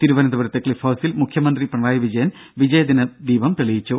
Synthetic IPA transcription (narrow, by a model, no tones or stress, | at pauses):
t̪iɾuʋɐnɐd̪ɐʋɐɾɐt̪ːɐkɭifɐːsilmukʰjɐmɐnd̪ripɐɳʋaːjɐʋid͡ʑɐjɐn | ʋid͡ʑɐjɐd̪inɐd̪iːbɐmt̪eɭijit͡ɕːu